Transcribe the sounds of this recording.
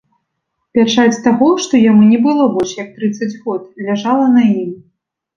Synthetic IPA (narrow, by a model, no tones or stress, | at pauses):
pʲat͡ʂat͡sʲt̪aɣɔʂt̪ɔjamunʲɛbɨlˠɔbɔʂjɐk̚t̪ɾɨt̪sːɐd͡zʲɣɔt̪lʲaʐalˠɐnɐjim